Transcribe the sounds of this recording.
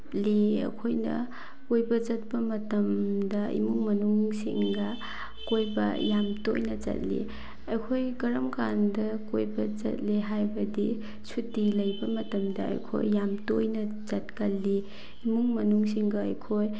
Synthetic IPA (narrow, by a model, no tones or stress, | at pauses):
liɐ̰kʰojnɐ̰ | kojbɐd͡ʒɐt̚pɐmɐtɐmdɐḭmuŋmɐnuŋsḭŋɡɐ | kojbɐ̰jamto̰jnɐzɐ̰t̚lḭ | ɐjkʰojɡɐɾɐmkandɐkojbɐd͡ʒɐ̰t̚liɦajbɐdi | sutilɐjbɐmɐtɐmdɐɐ̰jkʰo̰jːamtojnɐ | zɐt̚kɐlːi | imuŋmɐnuŋsiŋɡɐɐ̰jkʰoj